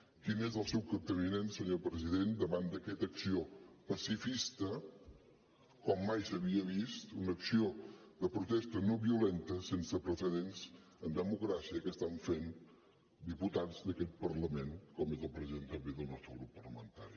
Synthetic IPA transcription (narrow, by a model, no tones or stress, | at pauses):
kinezəlˠsɛwkəp̚t̪əβinensəɲopɾəziðend̪əβand̪əkɛt̪əksiopəsifist̪ə | kɔmːajsəβiəβist̪unəksiod̪əpɾut̪ɛst̪ənoβiulent̪əsensəpɾəsəðenz | ənd̪əmukɾasiəkəst̪aɱfen | d̪iput̪ad͡zd̪əkɛt̪̚pəɾləmenkɔmezəlˠpɾəziðent̪əmbiðəlˠnɔst̪ɾəɣɾupːərləmə̰nt̪a̰ɾi